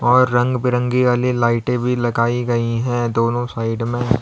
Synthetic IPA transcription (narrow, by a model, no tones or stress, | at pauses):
ɔːɾːɐ̃ŋɡbɪɾə̃ŋɡiʋaːlilaːɪʈẽbʱilɐɡaːiɡɐiɦɛ̃d̪oːnõsaːɪɖmẽ